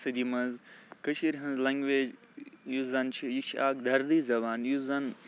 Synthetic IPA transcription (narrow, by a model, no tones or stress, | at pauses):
sɨd̪imɐnzkəʃiɾʲɦɐ̃nzlɐŋɡʋeːd͡ʒ | juzɐnt͡ʃʰijikt͡ʃʰa̰ːk̚d̪ʱɐɾd̪iːzɐβaːnjuzɐn